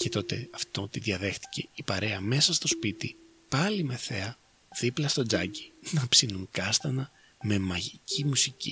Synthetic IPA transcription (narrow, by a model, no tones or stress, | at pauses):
cet̪o̞t̪e̞ɐft̪o̞t̪iðʝɐðe̞xt̪i̥ce̞ipɐɾe̞ɐme̞sɐst̪o̞spit̪i | pɐlime̞θe̞ɐ | ðiplɐst̪o̞d͡zɐci̥nɐpsinuŋkɐst̪ɐnɐ | me̞mɐʝicʰimusicḭ